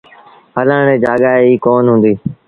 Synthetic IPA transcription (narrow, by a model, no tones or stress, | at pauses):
hələːɳ̃eːd͡ʒaːɠaːeiːkoːnɦũːnd̪iː